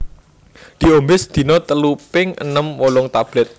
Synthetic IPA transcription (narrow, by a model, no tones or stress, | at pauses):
d̪̥i̤ombɪsd̪̥i̤nɔt̪əlupɪŋə̰nəmwolɔŋt̪ab̥lɛt̪̚